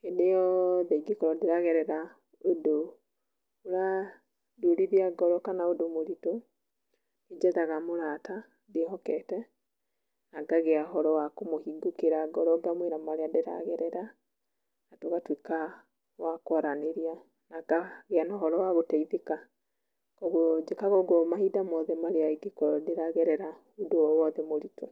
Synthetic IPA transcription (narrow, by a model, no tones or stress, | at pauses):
enejɔðaiɡekɔɾɔdeɾaɣɛɾɛɾa | odo | oɾa | doɾiðiaɡɔɾɔkanaodomoɾito | ed͡ʒɛðaɣamoɾata | dehɔkɛtɛ | naɡaɣeaɦɔɾɔwakomohiɡokeɾaɡɔɾɔɡamweɾamaɾeadeɾa̰ɣɛɾɛɾa | atoɣatwika | wakwaɾaneɾia | naɡaɣeanɔɦɔɾɔwaɣotɛiðeka | kɔɣod͡ʒekaɣɔɡɔmahidamɔðɛmaɾeaiɡekɔdeɾaɣɛɾɛɾa | odowɔwɔðɛmoɾito